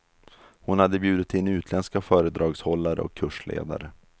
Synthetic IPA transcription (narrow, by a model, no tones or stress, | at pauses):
hʊnhad̪ːəbjʉ̟ːd̪ɪt̪ʰɪnːʉ̟ːt̪ʰlɛnskafœːɾəd̪ɾɑːɡshɔlːaɾə̰ɔ̰kʰːɵʂɭḛːd̪a̰ɾə